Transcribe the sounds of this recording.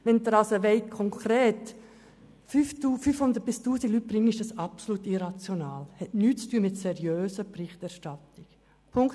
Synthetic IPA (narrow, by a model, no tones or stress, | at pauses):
ʋɛnd̪əɾɑsoʋeɪt̚kʰɔŋkʰɾeːt | fyftuːfyːfhʊnd̪əɾt̚bɪstuːsiɡlyt̚b̥ɾɪŋəɪʃd̥ɑsɑpsoluːtɪɾɑt͡sjonaːlhɛtnyːt̚t͡styəmɪtsɛɾjøːsəprɪχtæɾʃtɑtɪk | pʰʊŋkt